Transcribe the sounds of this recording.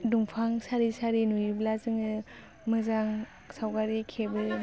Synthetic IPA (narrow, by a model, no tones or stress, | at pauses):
dumpʰaŋsaɾisaɾinujiblazɯŋɯ | mɯzaŋ | sawɡaɾikʰebɯ